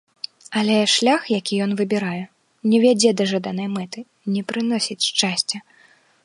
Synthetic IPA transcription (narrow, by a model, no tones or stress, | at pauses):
ɐlʲɛʂlʲaxjakʲijɔn̪vɨbʲɛɾajɛ | nʲɛvʲad͡zʲɛd̪ɐʐad̪anɐjmɛt̪ɨ | nʲɛpɾɨnɔsʲit͡sʲʂt͡ʂasʲt͡sʲɛ